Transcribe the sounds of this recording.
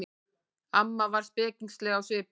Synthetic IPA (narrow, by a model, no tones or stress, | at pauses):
amːavaɾ̥spɛːciŋkslɛɣawsɪp